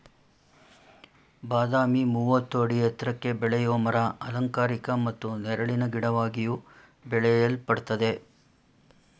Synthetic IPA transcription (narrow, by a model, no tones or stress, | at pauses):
baːd̪aːmimuːʋɐt̪ːuɐɽiɛt̪ɾɐkːe̞bɛɭɛjoːmɐɾɐɐlɐŋkaːɾikɐmɐt̪ːunɛɾɐɭinɐɡiɽɐʋaːɡiju | bɛɭɛjɐlpɐɽt̪ɐd̪e̞